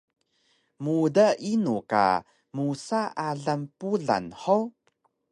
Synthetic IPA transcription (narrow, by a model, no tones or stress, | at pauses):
mudaʔinuka̰ | musaaɮampuɮa̰nħow